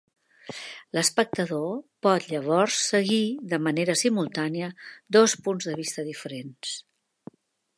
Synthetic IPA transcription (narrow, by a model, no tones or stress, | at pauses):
ləspək̚t̪əðopɔt̪ʎəβ̞ɔrsːəɣiðəməneɾəsimulˠt̪aniəd̪ospunzðəβ̞ist̪əðifəɾens